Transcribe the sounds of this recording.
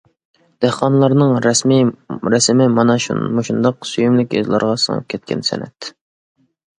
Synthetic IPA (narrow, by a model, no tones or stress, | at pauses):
d̪̥æhqɑnlˠɑɾnɨŋɾɛsmiɾɛsɪmɪmɑnɑʃṵnmoʃund̪ɑqsyjymlɪkʲjø̰zlˠɑ̰ɾʁɑsɨ̰ŋə̰p̚kʲʰɛt̪̚kʲɛ̰nsɛ̰nɛ̰t̪